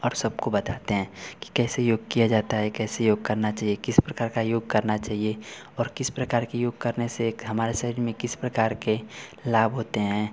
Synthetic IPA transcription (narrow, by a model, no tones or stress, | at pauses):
ɔːɾsɐb̚kobɐt̪aːt̪eɦɛ̃ːki̥kɛːsejoːɡ̚kijad͡ʒaːt̪aɦɛkɛːsejoːɡ̚kɐɾnat͡ʃaːɦiekɪspɾɐkaːɾkajoːɡkɐɾnat͡ʃaːɦie | ɔːɾkɪspɾɐkaːɾkejoːɡ̚kɐɾneseɦɐmaːɾeʃɐɾiːɾmẽkɪspɾɐkaːɾkelaːbʱɦoːt̪eɦɛ̃ː